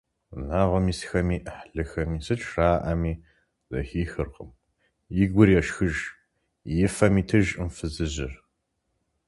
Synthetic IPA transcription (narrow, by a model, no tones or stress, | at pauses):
naːʁʷɐmiːsxɐmiːʔħɮɨxɐmiːsɨt͡ʃʼʰraːʔɐmiː | zɐ̰xiːxɨrqʼəm | jɪɡʷʊrjɛʃxɨʒ | jɪfɐmiːtʰɨʒɨmfɨzɨʑɪr